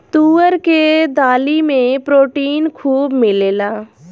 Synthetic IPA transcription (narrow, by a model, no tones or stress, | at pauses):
t̪uːəɾked̪aːlimẽpɾoːʈiːnkʰuːbmɪleːlaː